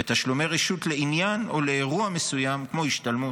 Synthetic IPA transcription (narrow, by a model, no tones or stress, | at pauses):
et̪aʃlume̞ʁeʃut̪le̞injano̞leːʁuame̞sujamkmo̞iʃtalmu